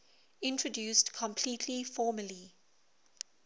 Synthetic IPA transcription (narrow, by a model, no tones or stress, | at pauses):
ɪ̃ntɹədjuːˑstkʰɔ̃mpʰliːtʰlifɔːməli